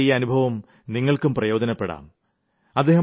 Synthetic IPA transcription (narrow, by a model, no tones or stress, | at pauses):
ijɐnubʱɐʋɐm | niŋːɐɭkumprɐjo̞ːd̪ɐnɐpːeɽa̰ːm | ɐd̪ːeɦɐ